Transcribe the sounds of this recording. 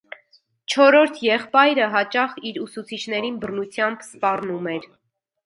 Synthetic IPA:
t͡ʃʰɔɾɔɾt̪ʰjɛχpɑjɾəɦɑt͡ʃɑχiɾusut͡sʰit͡ʃʰn̪ɛɾinbərnut͡sʰjɑmbspɑrnumɛɾ

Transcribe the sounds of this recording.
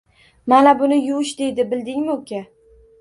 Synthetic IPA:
manabʊnɪjʊʃd̪e̞jd̪ɪbɪld̪ɪŋmɪokʲʰa

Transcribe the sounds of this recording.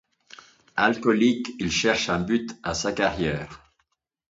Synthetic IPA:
alkɔlikilʃɛʁʃɛ̃byt̪asakaʁjɛːʁ

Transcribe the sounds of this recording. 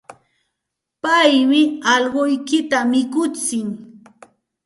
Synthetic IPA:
pajmɪɑʎɢʊjkɪt̪amɪkʊt͡sɪŋ

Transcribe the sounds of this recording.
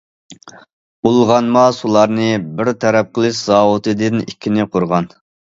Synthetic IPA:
ulˠʁɑnmɑsulˠɑɾnɨbɪɾt̪ʰɛɾɛp̚qəlˠɨʃz̥ɑːwʊt̪ɨd̪ɨnikʲʰːinɪqʰoɾʁɑn

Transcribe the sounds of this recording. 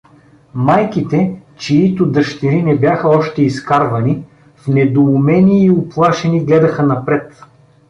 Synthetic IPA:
majkit̪ɛt͡ʃiit̪ʊd̪əʃt̪iɾinɛbjaxəɔʃt̪ɛiskaɾvɐni | fnɛd̪oʊmɛnʲiːʊplˠaʃɛniɡlɛd̪ɐxənɐpɾɛt̪

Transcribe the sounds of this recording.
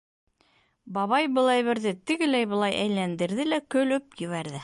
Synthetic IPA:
bɑβɑjbɤ̆lˠæjβɘ̆ɾðɘt̪ɘ̆ɡɘ̆læjbɤ̆lˠɑjʔæjlænd̪ɘ̆ɾðɘlækɵ̆lɵp̚jɵ̆βæɾðɘ

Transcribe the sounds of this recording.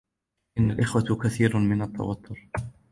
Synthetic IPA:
ʔɪnːalʔɪxwakaθiːɾmɪnɑt̪ˤːɑ̰wɑt̪ʰːʊɾ

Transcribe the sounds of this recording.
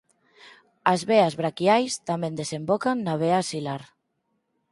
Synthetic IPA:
azβeazβɾakjajst̪amẽnd̪esembokaŋːaβ̞easilaɾ

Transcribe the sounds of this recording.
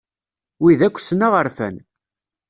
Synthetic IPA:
wiðækʷːsnaʁəɾfæ̰n

